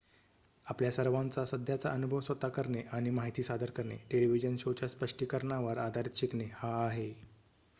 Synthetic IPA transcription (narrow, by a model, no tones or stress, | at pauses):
apljasəɾʋãnt͡sasəd̪ʱjat͡saʔənubʱəʋsʋət̪ːakəɾɳeʔaɽ̃imaɦit̪iːsad̪ʱəɾkəɾɳḛʈeliʋid͡ʑənɕot͡ɕaspəʂʈiːkəɾɳaʋəɾad̪ʱaɾit̪ɕikɳehaːɦe